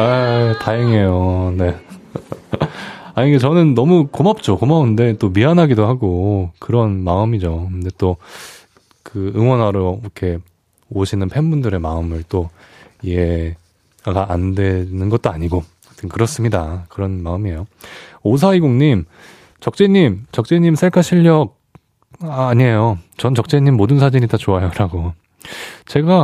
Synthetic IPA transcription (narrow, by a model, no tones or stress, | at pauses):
ataeŋe̞jone̞ | aɲiŋɡet͡ɕʌnɯnːʌmukomap̚t͡ɕ͈okomaɯnde̞t͈omiɦanɦaɡidoɦaɡokɯɾʌnmaɯmid͡ʑokɯnde̞t͈o | kɯɯŋwʌnɦwaɾoikʰe̞ | oɕʰinɯnpʰenbundɯɾe̞maɯmɯɭt͈oije | aɡaʔandwe̞nɯnɡʌt͈̚oaɲiɡo | tʰɯnkɯɾʌs͈ɯmɲidakɯɾʌnmaɯmie̞joos̬ʰaiɡoŋɲim | t͡ɕʌk̚t͡ɕ͈e̞ɲimt͡ɕʌk̚t͡ɕ͈eɲimsʰeɭkʰaɕʰiʎːʌk̚ | aɲiejot͡ɕʌnt͡ɕʌk̚t͡ɕ͈e̞ɲimːodɯnsʰad͡ʑiɲitat͡ɕoajoɾaɡo | t͡ɕe̞ɡa